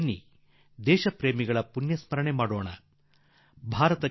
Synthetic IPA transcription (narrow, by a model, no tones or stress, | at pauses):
nːḭ | d̪ɛːʃɐpɾeːmiɡɐɭɐpunjɐsmɐɾɐɳemaːɽoːɳɐ̰ | bʱaːɾɐt̪ɐ